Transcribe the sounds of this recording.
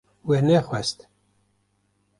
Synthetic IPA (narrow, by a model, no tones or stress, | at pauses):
wenɛxʷwɛst̪